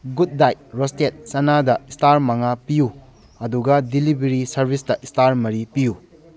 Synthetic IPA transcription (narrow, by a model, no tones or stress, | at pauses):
ɡut̚ːajt̚ɾostet̚sɐnadɐistaɾmɐŋapiju | ɐduɡɐdilibeɾisɐɾbʱisdɐʔistaɾmɐɾipiju